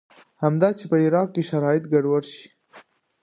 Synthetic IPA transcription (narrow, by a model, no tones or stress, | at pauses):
hamd̪ɑt͡ʃepəɪɾɑq̚keʃaɾɑjɪt̪ɡaɖwaɾʃi̥